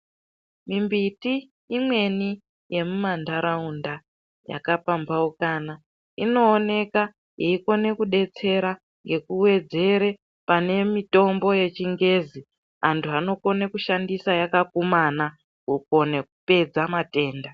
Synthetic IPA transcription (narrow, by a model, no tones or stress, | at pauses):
mimbitiː | mwe̞ni | je̞mumandaɾaunda | ja̰kapambaokaːna | ino̞ːne̞ka | jeiko̞ne̞kuɗe̞t͡se̞ɾa | ŋɡe̞kuwe̞d͡ze̞ɾe̞ | pane̞mito̞mbo̞je̞t͡ʃiŋɡe̞zi | antʰuano̞ko̞nekuʃandisajakakumana | uko̞nekupe̞d͡zamate̞ːnda